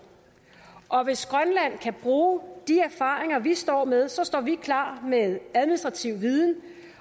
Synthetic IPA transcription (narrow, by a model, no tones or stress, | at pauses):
ʔɒ̽ʋe̝sɡ̥ʁɶnlæn̰kʰæb̥ʁuːd̥iæɐfɑ̰̈ːʁeŋɐʋisd̥ɒ̰ːmeð̞ˠsɒ̽sd̥ɒ̰ːʋikʰlɑ̰̈ːmeðˠæð̞ˠminisd̥ʁɑ̈t͡sʰiʊ̰ʋiðˠn̩